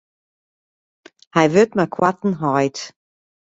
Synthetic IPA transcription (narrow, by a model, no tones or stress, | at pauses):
hajvʏtmakʰwat̪n̩ɦɔjt